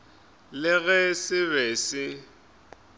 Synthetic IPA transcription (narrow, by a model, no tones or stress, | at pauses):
lɪɣɛsɪβɛːsɪ